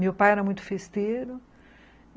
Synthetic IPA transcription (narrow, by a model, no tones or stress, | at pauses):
mewpajɛɾɐmũj̃t̪ʊ̥fest̪eɾʊ